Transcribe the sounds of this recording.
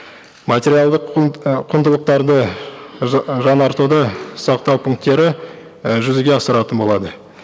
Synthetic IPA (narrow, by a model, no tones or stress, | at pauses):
mat̪ʲe̞ɾijalˠd̪əqqʰːʊnd̪əlˠəq̚t̪ɑɾd̪ə | ʒɑnɑɾt̪ud̪əsɑqt̪ɑwpʰuŋk̚t̪e̞ɾɪ | ʒʏzɪɡʲe̞ɑsəɾɑt̪ənbo̞lˠɑd̪ə